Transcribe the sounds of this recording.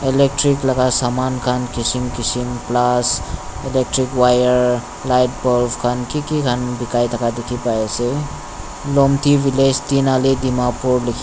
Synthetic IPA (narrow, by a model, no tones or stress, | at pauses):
elek̚ʈɾiklaɡasamankʰankisimkisimplaselek̚ʈɾikwajəɾ | lajt̚pɔlpʰkʰankikikʰanbikajtʰakʰadekʰipajese | lɔmtibiled͡ʒt̪inaledimapuɾlikʰ